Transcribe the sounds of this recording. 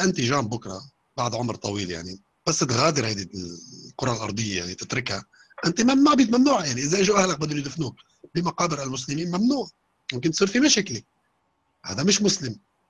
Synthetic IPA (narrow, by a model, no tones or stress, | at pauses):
ʔɪnt̪iʒaːmbʊkɾˤɑ | baʕd̪ʕʊmɾt̪ˤɑwiːlja̰ʕni | b̥asːt̪ɣaːd̪ɪɾhajd̪iqʊɾˤɑlʔɑ̰ɾˤd̪ˤɨjːajaʕnit̪ɪt̪ɾɪkha | ʔɪnt̪imamnuːʕbɪt̪manːuːʕajaʕniʔɪzːajʒuʔahlak̚bɪd̪ːʊnjd̪ɪfnuːk | bimaqɑːbɪɾalmʊs̬lɪmiːnmamnuːʕ | wɪmk̬ɪnt̪sˤiːɾfimaʃaːkli | ha̰ːd̪amɪʃmʊslɪm